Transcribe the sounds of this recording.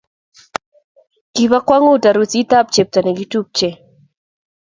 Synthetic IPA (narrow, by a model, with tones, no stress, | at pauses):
ki˨βa˦kwa˦ŋu˦˨ta˨ɾu˨t͡si˦t̪a˦˨p̚t͡ʃe˨p̚ta˨nɛ˨ɡi˦tu˦˨p̚t͡ʃe˨